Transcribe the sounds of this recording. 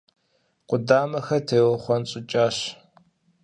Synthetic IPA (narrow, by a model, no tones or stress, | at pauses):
qʷʊdaːmɐxɐtʰejwɐχʷɔnɕʼɪt͡ʃʼaːɕ